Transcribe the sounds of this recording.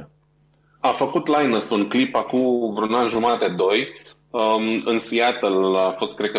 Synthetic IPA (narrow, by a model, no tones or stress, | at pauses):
afəkut̪lajnəsunklipakumvɾunanʒumat̪ed̪o̞j | ɨnsiat̪əlafo̞st̪̚kɾekə